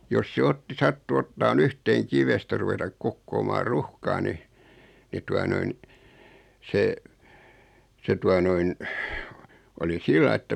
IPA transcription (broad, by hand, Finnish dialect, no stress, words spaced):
jos se otːi sɑtːu otːɑːn yhteːŋ kiʋestæ ruʋetɑk kokːoːmɑːr ruhkɑː ni ni tuɑ noin se se tuɑ noin oli silːɑi etːæ